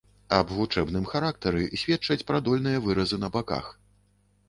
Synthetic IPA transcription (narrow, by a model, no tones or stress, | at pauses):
ɐbvut͡ʂɛbnɨmxaɾakt̪ɐɾɨsʲvʲɛt̪t͡ʂɐt͡sʲpɾad̪ɔlʲnɨjɐvɨɾɐzɨnɐbaka̰x